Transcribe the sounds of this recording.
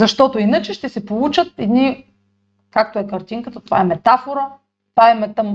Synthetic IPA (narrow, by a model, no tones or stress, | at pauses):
zɐʃt̪ɔt̪oinət͡ʃɛʃt̪ɛsɛpolˠut͡ʃət̪̚ɛd̪ni | kak̚t̪oɛkɐɾt̪iŋkət̪ət̪ova̰ɛmɛt̪afoɾə | paɛmɛt̪əm